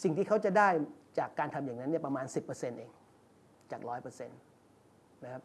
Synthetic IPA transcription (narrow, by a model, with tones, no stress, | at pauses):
si˨˩ŋt̪ʰiː˥˩kʰa˦˥wt͡ɕa˨˩daː˥˩jt͡ɕaː˨˩kːaː˧nt̪ʰa˧mjaː˨˩ŋna˦˥nːi˥˩ɐpɾa˧maː˧nsi˨˩pːɤː˧se˧nʔeː˧ŋ | t͡ɕaː˨˩k̚ɾɔː˦˥jpɤː˧se˧n | ma˦˥kʰa˦˥p̚